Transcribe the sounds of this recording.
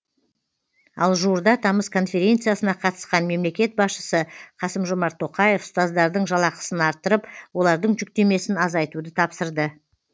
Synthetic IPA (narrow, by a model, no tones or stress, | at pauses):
ɑ̰lˠʒuəɾd̪ɑt̪ʰɑməskʰo̞nfe̞ɾʲe̞nt̪sɨjasənɑqʰɑt̪ə̥sqɑnme̞mle̞kʲe̞t̪̚bɑsʃəsəqʰɑsəmʒomɑɾt̪ʰːo̞qɑje̞fst̪ɑzd̪ɑɾd̪əɴʒɑlˠɑqə̥sənɑɾt̪ːəɾəpwo̞lˠɑɾd̪əɴʒʏk̚t̪e̞me̞sɪnɑzɑjt̪ud̪ət̪ʰɑpsəɾd̪ə